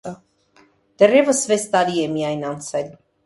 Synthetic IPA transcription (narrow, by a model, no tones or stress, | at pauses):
ə | d̪̥ɛrɛvəsvɛst̪ɑɾiɛmijɑjnɑnt͡sʰɛl